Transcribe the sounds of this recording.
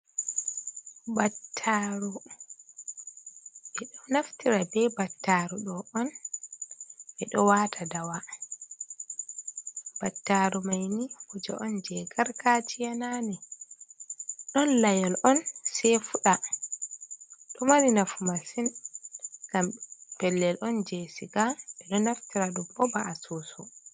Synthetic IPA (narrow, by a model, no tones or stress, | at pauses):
batʰːaɾu | ɛɗɔnaftiɾabɛbatːaːɾuɗɔʔɔn | ʔɛɗɔwaːtʰadawa | b̥atːaːɾumajnihud͡ʒa̰ʔɔnd͡ʒɛɡaɾkat͡ʃijanani | ɗɔnlajɔlɔnsɛfuɗa | ɗɔmaɾinafumasin | ɡ̥ampɛlːɛlʔɔnd͡ʒɛsiɡaʔɛɗɔnaftiɾaɗumɔbaasuːsɔ